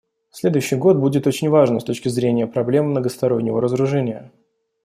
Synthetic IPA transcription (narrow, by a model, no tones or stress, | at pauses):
sʲlʲe̞d̪ʊjʉɕːɪjɡo̞t̪̚budʲɪt̪o̞t͡ɕɪnʲvaʐnəst̪o̞t͡ɕkʲɪzɾʲenʲɪjəpɾɐblʲe̞mːnəɡəst̪ɐɾo̞nʲːɪvəɾəzəɾʊʐɛnʲɪjə̰